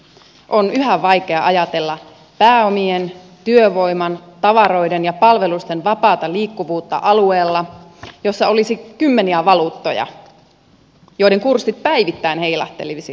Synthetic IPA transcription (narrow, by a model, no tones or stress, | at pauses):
ʔo̞nyɦæʋʋːɑjke̞ɑʔɑjɑt̪e̞lːɑ | pæːo̞mien | t̪yøʋo̞jmɑnt̪ɑʋɑɾo̞idenjɑpɑlʋe̞lust̪enʋɑpɑːt̪ɑliːkːuʋuːt̪ːɑ̰ʔɑlueːlːɑjo̞sːɑo̞lisikymːeniæʋɑluːt̪ːo̞jɑ̰ | jo̞iɾe̞ŋkursːit̪̚pæiʋit̪ːæinheijlɑ̰t̪ːḛlisi